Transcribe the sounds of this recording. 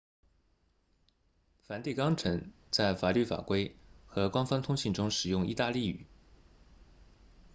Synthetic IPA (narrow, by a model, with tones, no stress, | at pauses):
fa˨˧˥nt̪i˥˩kɑ˥ŋʈ͡ʂʰɤ˧˥ŋt͡sa˥˩ɪfa˨˩ly˥˩fa̰˨˩kwe˥ɪxɤ˧˥kwɑ˥ŋfɑ˥ŋt̪ʰʊ˥ŋɕi˥˩nʈ͡ʂʊ˥ŋʂɻ̩˨˩jʊ˥˧ŋḭ˥˧t̪a˥˧li˥˩y̰˨˩˦